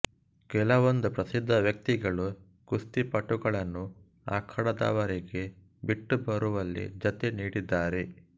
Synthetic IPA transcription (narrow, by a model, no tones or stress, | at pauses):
ɡ̥ɛlɐʋond̪upɾɐsid̪ʱːɐʋjɐk̚t̪iɡɐɭu | ɡ̥ust̪ipɐʈːuɡɐɭɐnːu | a̰ːkʰɐɽɐd̪a̰ːʋɐɾiɡe̞ | biʈːubɐɾuʋɐlːḭd͡ʒɐt̪eniːɽid̪ːaːɾe̞